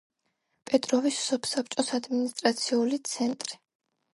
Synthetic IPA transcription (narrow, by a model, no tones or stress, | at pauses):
pʼɛt̪ʼɾɔvisːɔpʰsap̚ʰt͡ʃʼɔsad̪minist̪ʼɾat̪sʰiulit̪sʰɛnt̪ʼɾi̥